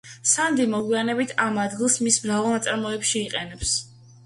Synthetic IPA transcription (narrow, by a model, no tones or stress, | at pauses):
sand̪imɔɡwianɛbit̪ʰamad̪ɡilˠsmismɾavalˠnat̪sʼaɾmɔɛpʃiːqʼɛnɛps